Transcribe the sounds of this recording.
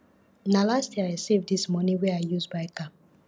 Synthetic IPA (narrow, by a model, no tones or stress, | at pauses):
nalastjiaɪɹisivdismɔniweaɪjuzbaɪkap̚